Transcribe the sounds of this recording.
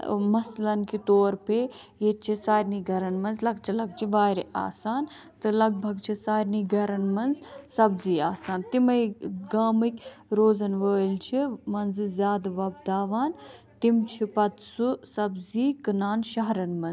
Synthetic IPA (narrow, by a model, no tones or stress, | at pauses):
mɐslɐnkit̪oːɾpe | jet͡ʃʰisaːɾniɡʱɐɾɐnmɐnzlɐɡ̚t͡ʃʰilɐɡ̚t͡ʃʰiʋaːɾiʔa̰ːsaːn | t̪ɨlɐɡ̚bʱɐɡt͡ʃʰisaːɾniːɡʱɐɾɐnmɐnzsɐbziːaːsaːnt̪imɐjɡaːmɨkʲɾoːzɐnʋəːlt͡ʃʰimɐnzɨzʲjaːd̪ʋɐbd̪aːʋaːn | t̪imt͡ʃʰipɐt̪susɐbziːkɨnaːnʃɐɦɾɐnmɐnz